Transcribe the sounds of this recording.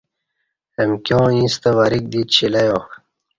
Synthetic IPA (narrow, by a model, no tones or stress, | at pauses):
emkjõːĩst̪eʋaɾik̚d̪it̪ɕilɐjoː